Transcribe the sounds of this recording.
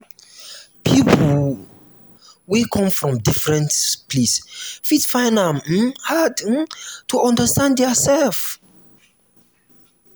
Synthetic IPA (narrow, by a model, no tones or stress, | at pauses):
pʰipʰ | wikʰɔ̃mfɹɔ̃mdifɹɛ̃ntpʰlisfitfãɪ̃nãm̩had̩tuɔ̃ndəstãndəsɛlf